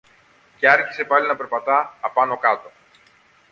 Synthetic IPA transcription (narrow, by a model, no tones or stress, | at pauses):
ce̞ɐɾçise̞pɐlinɐpe̞ɾpɐt̪ɐːpɐno̞kɐt̪o̞